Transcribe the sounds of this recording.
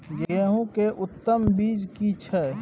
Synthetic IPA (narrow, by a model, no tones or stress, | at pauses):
ɡeeːɦũkeʔʊt̪ːəmbiːd͡ʒkit͡ʃʰɛ